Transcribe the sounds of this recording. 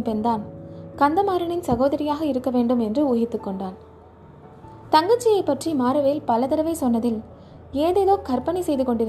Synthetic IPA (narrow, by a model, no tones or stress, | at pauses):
pɛnd̪aːnkɐnd̪ɐmaːɾɐɳɪnsɐɣoːðɐɾɪjaːɣɐɪɾɯkːɐʋeːɳɖɯmɛndrɯuːɣɪt̪ːɯkːɔɳɖaːn | t̪ɐŋɡɐt͡ʃːɪjɐɪpːɐʈrimaːɾɯʋeːlpɐlɐðɐɾɐʋɐɪsɔnːɐðɪl | eːðeːðoːkɐɾpɐɳisɛjðɯkɔɳɖɪɾ